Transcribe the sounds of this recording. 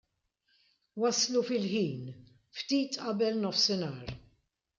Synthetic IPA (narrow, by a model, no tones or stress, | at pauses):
wɐslufɪlħiːn | ft̪iːt̪ʔɐbɛlnɔfsɪnɐːɾ